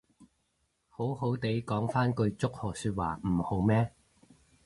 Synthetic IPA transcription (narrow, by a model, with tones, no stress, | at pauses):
ho˨˥who˨˥wt̪e˨˥jkɔː˨˥ŋfaː˥nkɵ˧ɥt͡sʊ˥k̚hɔː˨syː˧t̚wa̰ː˨˩m̩˨˩ho˨˥wmɛː˥